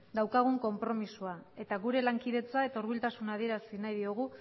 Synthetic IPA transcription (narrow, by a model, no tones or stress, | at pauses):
d̪awkaɣ̞uŋko̞mpɾo̞misuae̞t̪aɣuɾe̞laŋkiðe̞t͡sae̞t̪auɾβilt̪asunað̞ie̞ɾasinajðioɣ̞u